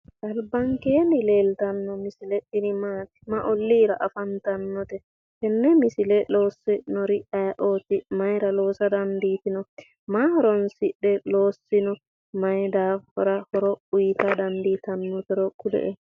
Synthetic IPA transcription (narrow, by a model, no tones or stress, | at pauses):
ʔɐlbɐŋkeːnɪleːlt̪ɐnːɔmɪsɪlɛʔɪnɪmaːt̪ɪ̥mɐʔɔlːiːɾɐʔɐfɐnt̪ɐnːɔt̪ɛ | kɛnːɛmɪsɪlɛlo̞ːsːɪnɔɾɪʔɐjʔoːt̪ɪmɐjɾɐlo̞ːsɐd̪ɐnd̪iːt̪ɪnɔ | mahɔɾɔnsɪɗːɛloːsːɪnɔ | mɐjd̪aːhɔɾɐhɔɾɔʊjt̪ɐd̪ɐnd̪iːt̪ɐnːɔt̪ɔɾɔkːʊd̪ɛ̰ʔɛ